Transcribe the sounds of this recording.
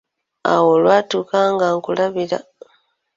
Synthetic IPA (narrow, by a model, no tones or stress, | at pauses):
a̰wolwaːtuːkaːŋɡaːŋkulaβila̰